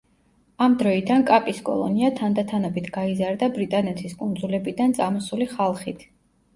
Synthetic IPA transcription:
amd̪ɾɔid̪ankʼapʼiskʼɔ̰lˠɔ̰niat̪ʰand̪at̪ʰanɔbit̪ʰɡaizaɾd̪abɾit̪ʼanɛt̪ʰiskʼund̪zulɛbid̪ant̪sʼamɔsuliχalˠχit̪ʰ

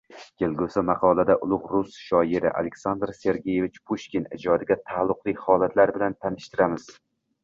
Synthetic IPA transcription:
kʰʲelˠɡʲʊsɪmɑqʰɒlˠad̪aʔʊlˠʊʁɾʊsʃɒɪɾɪ̰ʔa̰lekʲsand̪ɾse̞ɾɡʲeje̞vɪt͡ʃpʰuʃkʲinɪd͡ʒɒd̪ɪɡʲat̪ʰaːlˠːʊqlˠɪkʲhɒlˠat̪ʰlaɾbɪlant̪ʰanɪʃt̪ɪɾamɪz̥

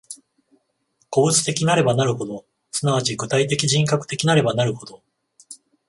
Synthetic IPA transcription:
ko̞t͡sɨ̥t̪e̞kʲinaɾe̞banaɾɯ̟ho̞d̪o̞ | sɨnaβ̞at͡ɕiɡɯ̟t̪ait̪e̞kʲiʑĩŋkakɯ̥t̪e̞kʲinaɾe̞banaɾɯ̟ho̞d̪o̞

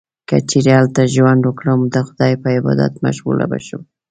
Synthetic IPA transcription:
kət͡ʃeɾealt̪aʒwand̪wəkɽəmd̪əxʊd̪ɑjpəɪbɑ̰d̪a̰t̪maʃɣṵla̰ba̰ʃum

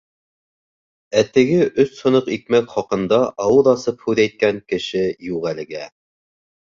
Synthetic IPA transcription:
æt̪ɘ̆ɡɘʔɵshŏnɤqik̚mækχɒqɤ̆nd̪ɑʔɑwɤðɑsɤp̚hʉðæjt̪̚kæŋkɘ̆ʃɘjuʁælɘ̆ɡæ

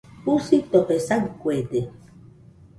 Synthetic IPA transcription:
pusit̪opesaŋkwed̪e

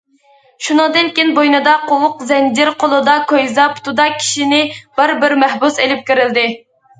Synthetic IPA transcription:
ʃunɨŋd̪ɨnkʲenbojnɨd̪ɑqowʊqzɛnd͡ʒɪɾqʰolˠɨd̪ɑkʰojzɑpʰu̥t̪ʰud̪ɑkʲʰi̥ʃinɪb̥ɪɾbɪɾmɛhbuselɪp̚kʲiɾɪld̪ɪ

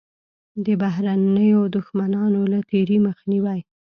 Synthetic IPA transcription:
d̪əbaɦɾanəjod̪ʊxmanɑnolat̪eɾiməxniwaj

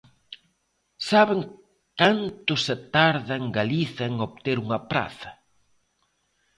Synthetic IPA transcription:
saβeŋ | kant̪ʊset̪aɾðaŋɡaliθɐeŋoβt̪eɾuŋɐpɾa̰θɐ̥

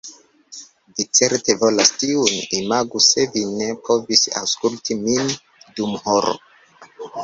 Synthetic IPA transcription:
dit͡se̞ɾte̞vo̞lastiunimaɡuse̞vine̞pʰo̞visa̰wskultʰimin | dumho̞ɾo̰

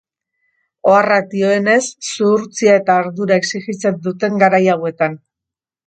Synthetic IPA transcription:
o̞arat̪io̞e̞ne̞sːuɾt͡siae̞t̪aːɾðuɾae̞ksiɣit͡se̞nd̪ut̪e̞ŋɡaɾajawe̞t̪an

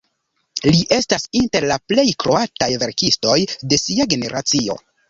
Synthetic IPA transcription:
liʔe̞stasinte̞ɾlaple̞jkɾo̞atajve̞ɾkisto̞jde̞siaɡe̞ne̞ɾʔa̰t͡sio̞̰

